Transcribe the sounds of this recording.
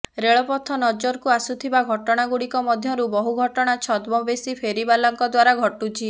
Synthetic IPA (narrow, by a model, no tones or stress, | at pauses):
ɾeɭɔpɔt̪ʰːɔnɔd͡ʒɔɾkuasut̪ʰibaɡʱɔʈɔɽ̃aɡuɽikɔmɔd̪ʱjɔɾubɔɦuɡʱɔʈɔɽ̃at͡ʃʰɔd̪mɔbesipʰeɾibalɔŋkɔd̪waɾaɡʱɔʈut͡ʃʰi